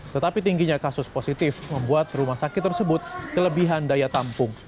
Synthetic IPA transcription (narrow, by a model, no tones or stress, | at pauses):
t̪ət̪apit̪iŋɡiɲakasʊsposit̪ɪfməmbuat̪̚rumahsakɪt̪ːərsəbʊt̪̚kələbiɦandajat̪ampʊŋ